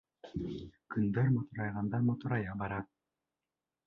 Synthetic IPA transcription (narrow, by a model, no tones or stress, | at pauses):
kɯnd̪ɤɾmɔt̪uɾɑjʁɑnd̪ɑmot̪uɾɑjɑbɑɾɑ